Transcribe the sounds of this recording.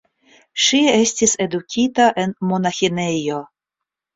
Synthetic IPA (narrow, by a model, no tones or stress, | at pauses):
ʃie̞stise̞dukʲʰitaʔe̞nmo̞naxine̞jo̞